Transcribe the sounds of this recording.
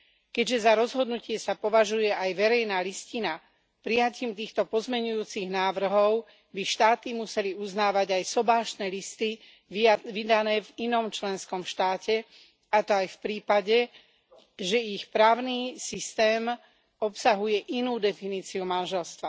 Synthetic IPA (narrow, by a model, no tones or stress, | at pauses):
kɛɟʒɛzaɾɔzɦɔd̪nucɪɛsapɔʋaʒujɛʔajʋɛɾɛjnaːliscina | pɾijaciːmt̪iːxt̪ɔpɔzmɛɲujuːt͡siɣnaːʋr̩ɦɔʊ | biʃt̪aːt̪imusɛliuznaːʋaɟajsɔbaːʃt̪nɛːlist̪i | ʋid̪anɛːvinɔmt͡ʃlɛnskɔmfʃt̪aːcɛ | at̪ɔajfpɾiːpaɟɛ | ʒɛixpɾaːʊniːsist̪ɛːm | ɔpsaɦujɛʔinuːd̪ɛfiniːt͡siumanʒɛlst̪ʋa